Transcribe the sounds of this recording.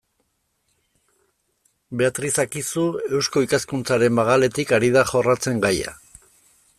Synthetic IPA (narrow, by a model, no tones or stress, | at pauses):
be̞at̪ɾisakisue̞wsko̞ikaskunt͡saɾe̞mbaɣale̞t̪ikaɾiðaχo̞rat͡se̞ŋɡaja̰